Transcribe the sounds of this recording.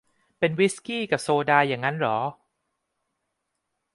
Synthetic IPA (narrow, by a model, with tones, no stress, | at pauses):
pe˧nwi˦˥skiː˥˩ka˨˩p̚soː˧daː˧jaː˨˩ŋːa˦˥nɾɔː˩˦